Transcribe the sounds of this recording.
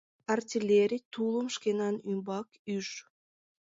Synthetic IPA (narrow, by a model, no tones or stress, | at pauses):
artʲilʲːeɾʲit̪ulˠəmʃkenɑnymbɑkyʃ